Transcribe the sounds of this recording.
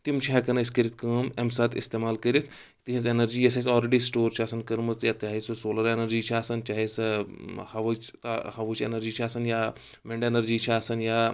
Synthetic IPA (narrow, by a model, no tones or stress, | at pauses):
t̪imt͡ʃʰiɦɛkɐnɐiskɐɾit̪̚ʰkɐːmemsaːt̪ʰɪ̰st̪eːmaːlkɐɾit̪ʰ | t̪iɦĩsenɐɾd͡ʒiːjɐsɐsɔːlɾeɖisʈoːɾt͡ʃʰaːsɐnkɐɾmɐt͡sjat̪jaːɦisɨsoːlɐɾenɐɾd͡ʒiːt͡ʃʰaːsɐnt͡ʃaːɦis | hɐʋt͡ʃt̪hɐʋut͡ʃʰḛnɐɾd͡ʒiːt͡ʃʰaːsɐnjaː | mẽɳɖenɐɾd͡ʒiːt͡ʃʰaːsɐnjaː